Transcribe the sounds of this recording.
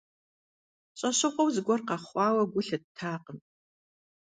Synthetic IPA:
ɕʼɐɕɨqʷɔwzɨɡʷɔrqɑχʷɑːwɐɡʷʊɬɐd̚tʰaːqəm

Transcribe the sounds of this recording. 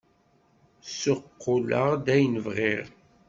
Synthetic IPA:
sʊqːʊlə̰ʁd̪æjnəvʁiʁ

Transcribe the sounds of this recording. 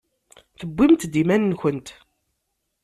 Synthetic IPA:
θəbʷːimt̪d̪imænnçənt̪

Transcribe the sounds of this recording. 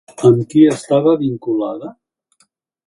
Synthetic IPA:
əmkiəst̪aβəβiŋkulaðə

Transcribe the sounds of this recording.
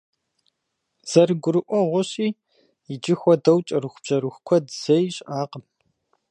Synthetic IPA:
z̥ɐrɨɡʷʊɾɨʔʷɔʁʷʊɕʼiː | jɪd͡ʒɪxʷɔdɐwt͡ʃʼɐɾɨxʷʊb̥ʑ̥ɐɾɨxʷkʷʰɔdz̥ɐjɕʼaːqəm

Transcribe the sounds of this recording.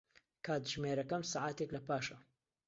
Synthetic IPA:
kʰaːd̪ʒmeːɾɐkɐmsaːʕaːt̪eklɐpaːʃɐ

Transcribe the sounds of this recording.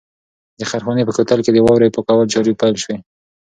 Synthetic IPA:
d̪əxaɾxɑnepəkot̪alked̪əwɑwɾapokawəlt͡ʃɑɾipajlʃwe

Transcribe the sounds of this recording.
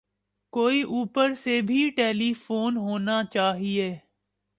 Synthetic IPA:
koːiʔuːpəɾsebʱiʈeːlifoːnɦoːnat͡ʃaːɦieː

